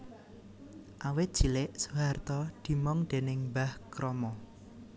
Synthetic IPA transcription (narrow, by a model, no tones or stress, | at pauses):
ʔawɪt̪̚d̥ʒ̥i̤lɪʔsuɦart̪ɔd̪̥i̤mɔŋɖ̪̥enɪŋbahkɾɔmɔ